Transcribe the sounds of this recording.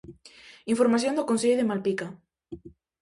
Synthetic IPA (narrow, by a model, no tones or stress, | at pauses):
iɱfoɾmaθ̬jond̪okonseʎoðemalpika